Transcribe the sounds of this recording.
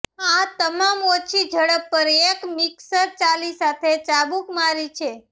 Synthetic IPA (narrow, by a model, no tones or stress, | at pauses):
at̪əmamot͡ʃʰid͡ʒʱəɽəpːəɾekmiksəɾt͡ʃalisat̪ʰet͡ʃabukmaɾit͡ʃʰe